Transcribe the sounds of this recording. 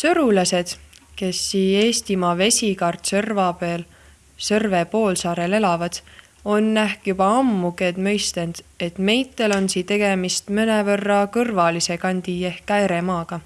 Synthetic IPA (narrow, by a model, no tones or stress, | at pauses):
sɤɾulɑse̞d̪̥ke̞sːiːe̞ːst̪imɑːve̞sʲikɑrt̪sɤrvɑpeːl | sɤrve̞po̞ːlsɑːɾe̞le̞lɑvɑd̪̥ | o̞nːæhkjub̥ɑɑmːuɡe̞d̪̥mɤ̞jst̪e̞nd̪̥e̞t̪me̞jt̪ˑːe̞lo̞nsiːt̪e̞ɡ̥e̞mist̪mɤnevɤrːɑkɤrvɑlise̞kɑnʲd̪̥ie̞hkːæjɾemɑːɡ̥ɑ